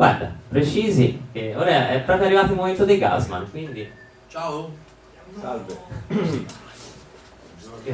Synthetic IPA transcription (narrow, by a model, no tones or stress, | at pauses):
ɡwa̰ɾd̪a̰pɾet͡ʃiːzikeoːɾaɛpːɾɔːpɾjoarːivaːt̪oumːoment̪od̪eɡa̰zma̰nkwind̪i | t͡ʃao | salve